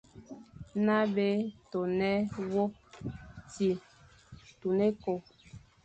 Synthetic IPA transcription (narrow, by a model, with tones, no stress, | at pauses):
na˦be˦to˨nɛ˦wo˦p̚ti˨ | tu˨ne˦ko˨